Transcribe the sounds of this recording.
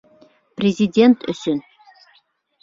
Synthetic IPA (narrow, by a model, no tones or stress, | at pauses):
prezidʲentʰɨɕɪn